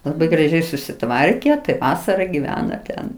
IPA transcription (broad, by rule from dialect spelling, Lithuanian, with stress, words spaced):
lˠɐˈbɐɪ ɡrɐˈʒʲɛɪ sʊsʲɪˈtʋɐrʲkʲɛ tɐɪ ˈʋɑːsɐrɐ ɡʲɪˈʋʲæːnɐ ˈtʲɛn